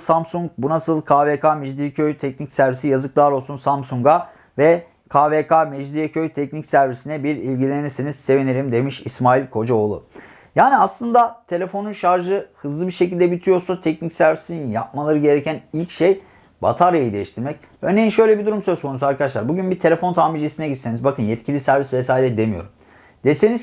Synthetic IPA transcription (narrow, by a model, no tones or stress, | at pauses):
samsuŋk̚bunasɯlˠkʰaːvekʰamɛd͡ʒd̪iɛcʰøjt̪ʰɛcnicsæɾvisijazɯklˠaːɾo̞lˠsunsamsuŋɡa | vɛ | kʰaːvekʰamɛd͡ʒd̪ijɛcʰøjt̪ʰɛc̚nicsæɾvisinɛbiɾilʲɟilʲenisiniz̥se̞viniɾimd̪e̞miʃismaːilʲkʰo̞d͡ʒao̞lˠṵ | jaːnʲiaslˠɯnd̪at̪ʰe̞lʲe̞fo̞nunʃaɾʒɯhɯzlˠɯbiɾʃecilʲd̪ɛbit̪ʰijo̞ɾsat̪ʰɛcnicsæɾvisininja̰p̚malˠaɾɯɟe̞ɾecʰænilʲcʃej | ba̰t̪ʰaɾjajid̪e̞jiʃt̪ʰiɾmɛc | ønejinʃø̞jlʲebid̪uɾumsø̞zkʰo̞nusuaɾkad̪aʃlˠaɾbuɟynbit̪ʰe̞lʲe̞fo̞nt̪ʰaːmid͡ʒesinɛɟit̪senizbakʰɯnjɛt̪cʰilʲisæɾvisvesaːiɾʲɛd̪e̞mijo̞̰ɾum | d̪̥e̞se̞niz